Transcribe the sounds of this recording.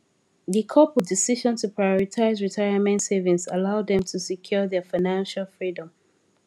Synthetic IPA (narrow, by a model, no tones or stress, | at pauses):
ðikʰɔpɪdɪsiʒɔ̃ntʰupʰɹajɔɹitʰaɪzɹitʰaɪəmɛ̃ntsevĩŋsalaʊd̪ɛ̃mtʰusikʰj̥ɔðɛfaɪnãnʃalˠfɹidə̃m